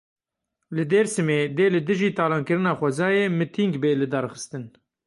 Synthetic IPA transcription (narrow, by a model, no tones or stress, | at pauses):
lɨd̪eːɾsɨmeːd̪eːlɨd̪ɨʒiːt̪ʰɑːlɑːnkɨɾɨnɑːxʷɛzɑːjeːmɨt̪ʰiŋɡbeːlɨd̪ɑːɾxɨst̪ɨn